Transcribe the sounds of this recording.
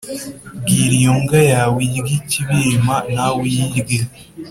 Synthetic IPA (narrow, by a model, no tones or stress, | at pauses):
ɡiɾijoŋɡajawijɡiciβimanawijiɡi